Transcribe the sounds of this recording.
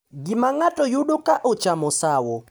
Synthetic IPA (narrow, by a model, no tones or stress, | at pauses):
ɡɪmaŋatɔjuɗokaʔɔt͡ʃamɔsawɔ